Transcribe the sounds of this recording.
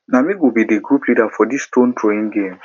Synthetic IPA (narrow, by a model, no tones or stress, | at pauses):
namiwwibideɡɾuplidafɔdistõntʰɹoĩŋɡẽm